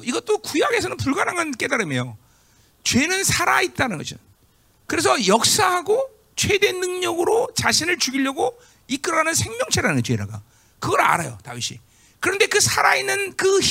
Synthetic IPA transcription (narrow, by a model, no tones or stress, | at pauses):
iɡʌt͈okujaɡe̞sʰʌnɯnpuɭɡanaŋank͈e̞daɾɯmjejo | t͡ɕwe̞nɯnsʰaɾait̚t͈anɯnɡʌd͡ʑi | kɯɾe̞s̬ʰʌjʌk̚s͈aɦaɡo | t͡ɕʰwe̞dwe̞nːɯŋɲʌɡɯɾot͡ɕaɕʰinɯɭt͡ɕuɡiʎːʌɡo | ik͈ɯɾanɯnsʰeŋmjʌŋt͡ɕʰeɾanɯnɡʌt͡ɕweɾa̰ɡa̰ | kɯɡʌɾa̰ɾajo̰ta̰iɕʰḭ | kɯɾʌnde̞kɯsʰaɾainːɯnkɯ